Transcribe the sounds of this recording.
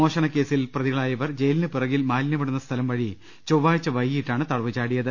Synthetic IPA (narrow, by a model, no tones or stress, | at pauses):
o̞ːʂɐnɐkːe̞ːsilprɐðiɣɐɭaːjɐʋɐrd͡ʑejlnɨpirɐɣilmaːlnjɐmɐɽunːɐst̪ʰɐlɐmʋɐɻi | t͡ɕowʋaːɻit͡ɕːɐʋɐjːiʈːaːɳɨt̪ɐɽɐʋit͡ɕːaːɽijɐðɨ